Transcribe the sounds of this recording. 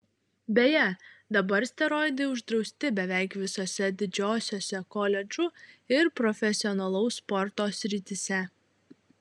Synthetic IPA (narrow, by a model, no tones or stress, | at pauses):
bʲeːjɛd̪ɐbɐɾsʲt̪ʲɛɾɔɪd̪ʲeʊʒd̪ɾɒʊsʲt̪ʲɪbʲɛʋʲæˑɪkʋʲɪsoːsʲɛd̪ʲɪd͡ʒʲoːsʲoːsʲɛkɔlʲɛd͡ʒʊɪɾpɾɔfʲɛsʲɪɔnɐlˠɐʊsːpɔɾt̪oːsʲɾʲɪt̪ʲɪsʲɛ